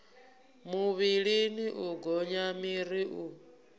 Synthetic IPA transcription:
muβiɺiniʔuɡɔɲamiɾiʔu

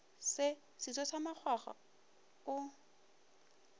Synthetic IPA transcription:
sɪ | sisɔsamak͡xʰwaχa̰ | ʊ

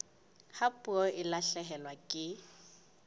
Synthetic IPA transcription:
hapʼuɔʔɪlaɬɛɦɛlwakʼɪ

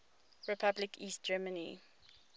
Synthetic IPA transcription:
ɹipʰablɪkʰiːst̚d͡ʒɛmənḭ

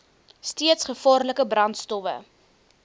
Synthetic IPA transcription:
stiətsχəfɑːrləkəbrɐntstɔvə̰

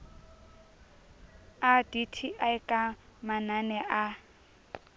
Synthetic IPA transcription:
aditʰiʔaɪkʼamananɛʔa

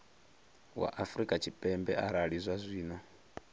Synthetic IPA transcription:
wa̰ʔafɾikʼat͡ʃʰipʼɛmbɛʔaɾaɺizʷazʷiːnɔ

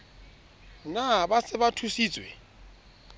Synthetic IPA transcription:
nabasɪβatʰusiːt͡sʼwɛ̰

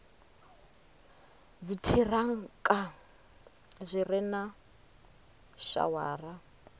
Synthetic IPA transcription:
d͡zitʰiraŋ̩kʼa | zʷirɛna | ʃa̰waːra

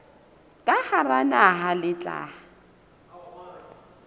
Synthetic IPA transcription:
kʼaharanaɦalɪt͡ɬʼa̰ː

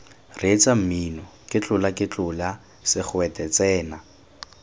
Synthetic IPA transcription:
ret͡sʼam̩minɔkʼɪt͡ɬʼʊlakʼɪt͡ɬʼʊla | sɪk͡xʊɛtʼɛt͡sʼɛːna

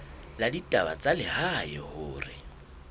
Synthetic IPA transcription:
laditʼaba̰t͡sʼalɪhajɔhʊːrɪ

